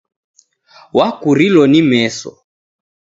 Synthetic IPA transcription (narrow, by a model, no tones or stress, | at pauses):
wakuɾilɔnimɛsɔ̰